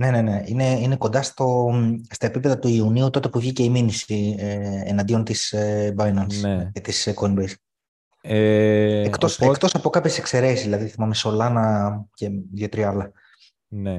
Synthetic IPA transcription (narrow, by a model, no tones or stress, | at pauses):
ne̞ne̞ne̞ine̞ineko̞nd̪ɐst̪o̞st̪ɐepipe̞ðɐt̪uiuniut̪o̞t̪e̞puvʝice̞iminisieḛnɐnd̪io̞nt̪isebɐjnɐneet̪isekonbes | eekt̪osekt̪o̞sɐpo̞kɐpçese̞kse̞ɾe̞sizðilɐðiθimɐmeso̞lɐnɐce̞ðjot̪ɾiɐlɐ | ne